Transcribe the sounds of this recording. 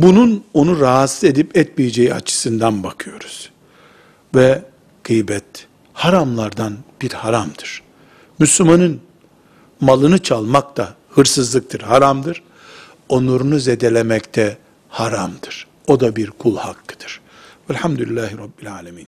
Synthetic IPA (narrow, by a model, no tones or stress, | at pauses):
bununo̞nuɾaɦat̪sɯe̞d̪ipɛt̪̚mijid͡ʒejia̰t͡ʃʰɯ̥sɯnd̪anbakʰɯjo̞ɾuz̥ | vɛ | ɡ̥ʰɯjbɛt̪ | haɾamlˠaɾd̪anb̥iɾhaɾamd̪ɯɾ̥ | myslʲumanɯn | malˠɯnɯt͡ʃʰalˠmak̚t̪ʰa | hɯɾsɯzlˠɯk̚t̪ʰɯɾhaɾamd̪ɯɾ̥ | o̞nlˠaɾunuzed̪elʲemɛct̪ʰɛ | haɾamd̪ɯɾ̥ | o̞d̪abiɾkʰulˠhakʰːɯ̥d̪̥ɯ̥ɾ̥ | ɛlʲħamd̪ulʲilːaːɦiɾɑbːilʲaːlʲamiːn